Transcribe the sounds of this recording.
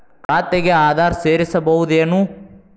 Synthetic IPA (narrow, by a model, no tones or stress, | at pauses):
kaːt̪ːeɡeaːd̪ʱaːɾseːɾisɐbɐud̪enũ